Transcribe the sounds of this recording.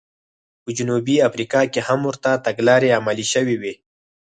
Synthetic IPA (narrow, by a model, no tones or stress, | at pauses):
pəd͡ʒʊnubiafɾikɑkehamwʊɾt̪at̪aɡlɑɾeamaliʃəwiwi